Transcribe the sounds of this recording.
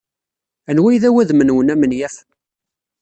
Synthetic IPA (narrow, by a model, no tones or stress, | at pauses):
ænwæjðæwæðmənwənæmənjæf